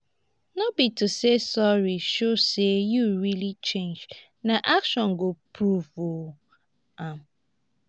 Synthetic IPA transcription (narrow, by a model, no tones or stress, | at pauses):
nobitusesɔɹiʃosejuɹilit͡ʃẽnd͡ʒ | naʔakʃɔ̃nɡopʰɾuvo | am